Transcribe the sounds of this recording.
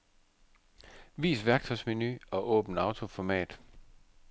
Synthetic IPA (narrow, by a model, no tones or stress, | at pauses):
ʋḭːsʋæɐɡ̥̚t͡sʰɒ̽ɪsme̝nyɒ̽ʔɔ̰̽ːb̥n̩ɑ̈ʊt͡sʰo̝fɒmɛ̰ːd̥